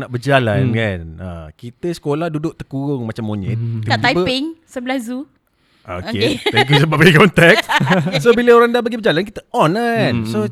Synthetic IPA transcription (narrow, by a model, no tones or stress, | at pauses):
naʔbəd͡ʒalankana̰kit̪əsə̥kolahdudʊʔt̪əkuɾʊŋmat͡ʃamːoɲɪ̰t̪̚ːit̪aipəpɪŋsəblazu | o̰keɛŋk̬jusəbap̚kiikɔnt̪ɛkssobiləoɾaŋdabaɡibəd͡ʒalank̬it̪əɔnəso